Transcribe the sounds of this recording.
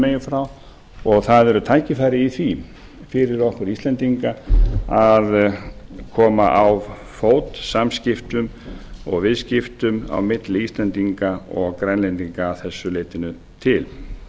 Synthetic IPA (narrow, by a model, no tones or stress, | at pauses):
meːjʏfɾaw | ɔɣθaðɛɾʏt̪ʰaːjcɪfajɾɪiθvi | fɪɾɪɾɔhkʏɾist̪lɛnt̪iŋkaað | kʰɔːma̰ʔaw | foːwt̪samscɪft̪ʏm | ɔɣvɪðscɪft̪ʏma̰wmɪt̪lɪist̪lɛnt̪iŋkaɔɣkɾɛnlejnt̪iŋkaːθɛsːʏleːjt̪ɪnʏ | t̪ʰɪl